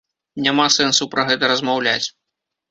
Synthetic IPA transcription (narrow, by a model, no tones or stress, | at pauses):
nʲamasɛnsɐwpɾɐɣɛt̪ɐɾɐzmawlʲat͡sʲ